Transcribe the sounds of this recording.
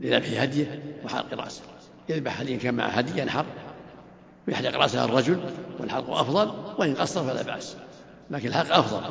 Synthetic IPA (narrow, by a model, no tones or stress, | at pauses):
lʔɪðabħihad̪jawħa̰lqɾˤɑ̰ːs | jɪðbaħhad̪jkaːnma̰ʕ̰had̪ɪjːanħɑrˤː | wjaħd̪iqɾˤɑ̰ʔsɑrˤːɑd͡ʒʊlwɪlħalqṵʔɑfðˤɑlwɪʔɪnqɑsˤːɑɾˤfala̰ːba̰ʔs | laːkɪnalħalqʔɑfðˤɑ̰l